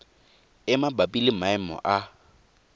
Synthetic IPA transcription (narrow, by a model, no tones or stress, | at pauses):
ɪmabapʼilɪmaɪmɔ̰ʔa